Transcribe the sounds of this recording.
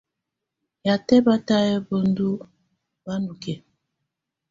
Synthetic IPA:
ja˨tɛ˦ba˦ta˦jɛ˦bo˨ndu˦ | ba˦nu˨kɛ˨

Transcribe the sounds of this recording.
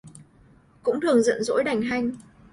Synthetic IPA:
kʊ̰˧˥ŋ͡mt̪ɨ˨˩əŋzə̰˧˨nzo̰˧˥jɗa˨˩jŋ̟ɦa˧jŋ̟

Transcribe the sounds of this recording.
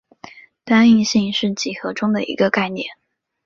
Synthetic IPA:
t̪a˥ni˥˧ŋɕi˥˧ŋʂɻ̩˥˩t͡ɕi˨˩xɤ˧˥ʈ͡ʂʊ˥ŋd̪ə˨ʔḭ˧˥ɡə˧ka˥˧ɪnjɛ̰˥˩n

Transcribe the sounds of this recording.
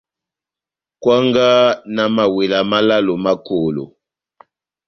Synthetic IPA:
kwa˦ŋɡa˦na˨ma˨we˨la˨ma˦la˦lo˨ma˦ko˨lo̰˨

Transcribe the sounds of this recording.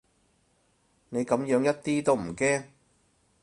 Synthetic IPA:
ne˨˧jkɐ˨˧˥mjœː˨˥ŋjɐ˥t̚t̪iː˥t̪o˥wm̩˨˩kɛː˥ŋ

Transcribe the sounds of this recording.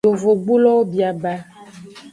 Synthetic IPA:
o˨vo˨ɡ͡bu˦lɔ˦wo˦bi˨a˨ba˦

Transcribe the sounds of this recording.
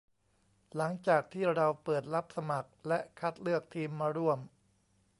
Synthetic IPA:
la˩˦ŋt͡ɕaː˨˩k̚t̪ʰiː˥˩ɾa˧wpɤː˨˩t̪̚la˦˥p̚sa˧ma˨˩k̚lɛ˦˥ʔkʰa˦˥t̪̚lɯ˥˩ək̚t̪ʰiː˧mːaː˧ɾu˥˩əm

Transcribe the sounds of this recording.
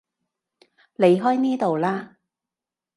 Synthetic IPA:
le˨˧jɦɔː˥jniː˥t̪o˨wlaː˥

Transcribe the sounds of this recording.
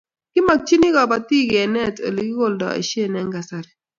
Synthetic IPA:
kɪ˦ma˨k̚t͡ʃi˦nɪ˦ɡɔ˨ba˨t̪i˦˨ɡɛ˨nɛ˦˨tḛ˨li˨ɡɪ˦ɡo˦˨ldɔ̰˨ḛ˨ʃje˦˨nɛ˦ŋɡa˨sa˦ɾɛ˨

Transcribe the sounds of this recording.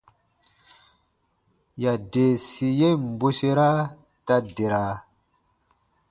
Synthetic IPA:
ja˨de˨si˨je˦m˨bu˦se˦ɾa˦ | ta˦de˨ɾa˨

